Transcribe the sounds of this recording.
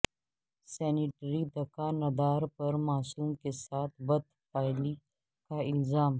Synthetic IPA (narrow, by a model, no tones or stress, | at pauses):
sɛːniʈɾid̪ɐkaːnɐd̪aːɾpɐɾmaːsuːmkesaːt̪ʰbɐd̪paːli | kaɪlzaːm